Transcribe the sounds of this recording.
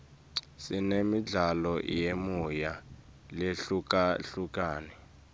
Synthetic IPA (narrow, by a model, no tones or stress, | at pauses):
sinemiɮalɔjemuja | leɬukaɬuk̬ʼaːnɛ